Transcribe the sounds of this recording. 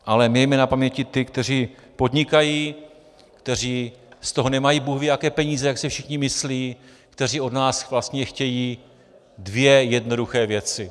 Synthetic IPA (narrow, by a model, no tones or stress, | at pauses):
ʔalɛmɪjɛjmɛnapamɲɛcɪt̪ɪkt̪ɛr̝iː | po̞dɲɪkajiː | kt̪ɛr̝iːst̪o̞ɦo̞nɛmajiːbuɣvɪakɛːpɛɲiːzɛjaksɛfʃɪxɲɪmɪsliː | kt̪ɛr̝iːʔo̞dnaːsvlast̪ɲɛxcɛjiː | dvjɛjɛdno̞duxɛːvjɛt͡sɪ